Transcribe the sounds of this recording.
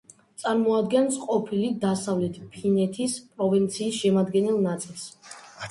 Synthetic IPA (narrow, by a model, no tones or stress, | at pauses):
t̪sʼaɾmɔad̪ɡɛnsqʼɔpʰilid̪asavlɛt̪ʰpʰinɛt̪ʰispʼɾɔvint̪sʰiːsʃɛmad̪ɡɛnɛlˠnat̪sʼilˠs